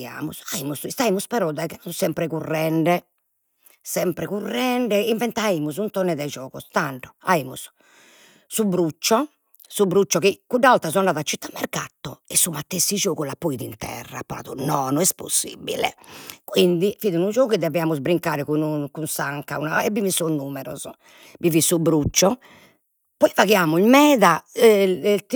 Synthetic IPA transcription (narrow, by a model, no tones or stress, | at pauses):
a̰ːmusaiːmusist̪aiːmuspɛɾɔd̪ɛkɛusɛmpɾɛkurːɛɳɖɛ | sɛmpɾɛkurːɛɳɖɛiɱvɛnt̪aiːmuzunt̪ɔnːɛd̪ɛd͡ʒɔːɣɔ̰st̪aɳʈɔa̰imṵs | subɾut͡ʃːɔ | subɾut͡ʃːɔkikːuɖːaalt̪asɔanɖaːðat͡ʃːit̪ːamːɛ̰rkat̪ːɔɛsumat̪ːesːid͡ʒoːɣulapːoiðint̪ɛ̰rːa̰pːaɾa̰ːðunɔːnɔɛspo̰sːḭbḭlɛ̰kwind̪ifiːðinud͡ʒoːɣuid̪ɛvɛaːmuzbɾiŋkaːɾɛkunukunsaŋkaunaɛbːimisːɔnːuːmɛɾɔ̰z | mivisːubɾut͡ʃːɔ | pɔivaɣiaːmuilmɛːða